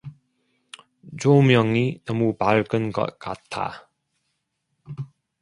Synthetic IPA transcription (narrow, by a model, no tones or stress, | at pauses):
t͡ɕomjʌŋinʌmupaɭkɯnɡʌ̰t̚k͈a̰t̚tʰa̰